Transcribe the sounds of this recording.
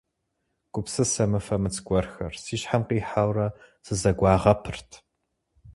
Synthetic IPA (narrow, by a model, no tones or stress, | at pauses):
ɡ̥ʷʊpsɨsɐmɨfɐmɨt͡sɡʷɔrxɐ̰rsiːʃħamqiːħawrɐ | sɨzɐɡʷɑːʁɐpʰɨrtʰ